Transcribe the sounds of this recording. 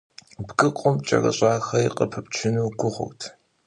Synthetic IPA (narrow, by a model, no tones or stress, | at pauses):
bɡɨqʷʼʊmt͡ʃʼɐ̰rɐ̰ɕʼaːxɐiqʼəpʰɐpt͡ʃʰɪnuːɡʷʊʁʷʊ̰wtʰ